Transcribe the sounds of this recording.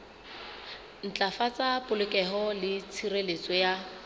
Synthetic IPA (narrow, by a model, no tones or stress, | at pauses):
n̩t͡ɬʼafat͡sʼapʼʊlɪkʼɛɦɔlɪt͡sʰirelet͡sʼɔja